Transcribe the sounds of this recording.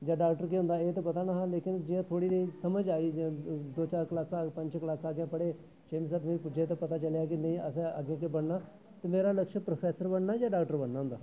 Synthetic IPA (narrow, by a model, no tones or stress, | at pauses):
d͡ʒaːɖaːkʈəɾkiːɦʊ̃nd̪aːeːt̪ẽːpət̪aːnaːɦãːleːkɪnd͡ʒiãːt̪ʰoːɽiːd̪eisəməd͡ʒaːiːd͡ʒd̪oːt͡ʃaːɾkəlaːsaːpə̃ɲt͡ʃklaːsaːɡjãːpəɽeː | t͡ʃʰeːmisaːt̪meːɾipʊd͡ʒeːt̪̬ẽːpət̪aːt͡ʃəlejaːkɪnəĩːəsea̰ɡjãːkebəɽnaː | t̪emeːɾaːləkʃəpɾoːpʰɛːsəɾbəɳnaːd͡ʒaːɖaːk̚ʈəɾbəɽnaːɦʊ̃nd̪aː